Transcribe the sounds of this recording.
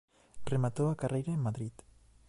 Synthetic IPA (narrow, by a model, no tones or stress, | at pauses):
remat̪oakarejɾeemːaðɾit̪